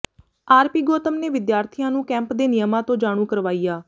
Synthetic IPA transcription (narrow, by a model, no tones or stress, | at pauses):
aːɾpiːɡoːt̪əmneːʋɪd̪jaːɾt̪ʰijãːnũːkɛ̃ːmpd̪eːnɪjəmãːt̪õːd͡ʒaːɽ̃uːkəɾʋaːiːjaː